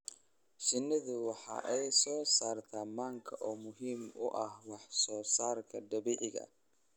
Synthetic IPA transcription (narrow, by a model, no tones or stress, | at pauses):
ʃɪnːɪd̪ʊwɐħa̰ʔɛjsoːsaɾt̪ʰamːaŋkʰɐʔomʊɦimʊ̰ʔahwaħsoːsaːɾkɐd̪ɐbiʔɪɡɐ̰